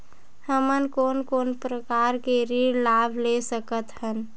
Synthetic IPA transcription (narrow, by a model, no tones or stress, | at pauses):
həmənkoːnkoːnpɾəkaɾkeɾiɾlaːbʱlesəkət̪hən